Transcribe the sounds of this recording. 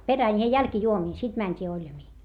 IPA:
peræn jɑ jælkĭjuomiːn sit mænʲtʲiː olʲjɑmiː

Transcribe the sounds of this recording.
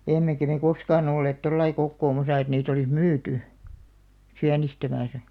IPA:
emːekæ me koskɑːn olːeːt tolːɑi kokːoːmɑsɑ et niːt olis myːty siænistæmæsæ

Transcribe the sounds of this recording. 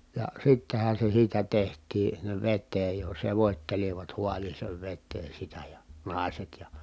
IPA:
jɑ sitːehæn̞ se siːtæ tehtˑiː sinːeʋ ʋetːeːj jo seʋoˑtʲteliʋɑt huɑliːseːʋ ʋetːeː sitæ jɑ nɑˑi̯set jɑ

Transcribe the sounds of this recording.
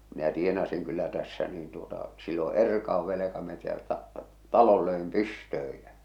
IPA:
minæ tienɑsiŋ kylːæ tæsːæ niːn tuotɑ silːo erkɑuʋ ʋelekɑmetæltæ tɑlol løem pystøːj jæ

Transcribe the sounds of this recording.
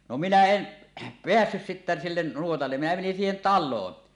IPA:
no minæ en peæsːys sitːæ silːen nuotɑlːe minæ menin siːhen tɑlˑoːn

